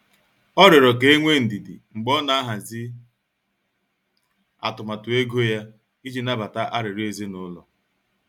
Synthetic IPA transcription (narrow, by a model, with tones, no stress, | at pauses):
ɔ˦ɾɪ˨ɾɔ˨ke˦e˦ŋʷe˦n̩˨di˨dḭ˨ŋ͡m̩˨ɡ͡bɔ˦na˨a˦ɦa˨zɪ˦ | a̰˨tʊ˨ma˨tʊ˨e˦ɡo˦ja˦ | i˦d͡ʒi˦na˦ba˨ta˦ʔa˦ɾɪ˨ɾe˨ze˦nʊ˦lɔ̰˨